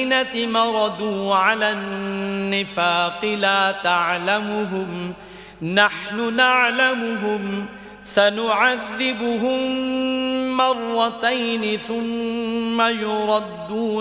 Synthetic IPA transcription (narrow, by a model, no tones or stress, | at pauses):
nat̪ɪmɑɾˤɑd̪uːʕalaː | ɪfaːqɨlaːt̪aʕlamʊɦʊm | naħnʊnaʕlamʊɦʊm | sanʊʕaðːɪbʊɦʊmmː | ɑrˤːɑt̪ajnɪθʊmː | ajʊɾˤɑd̪ːuː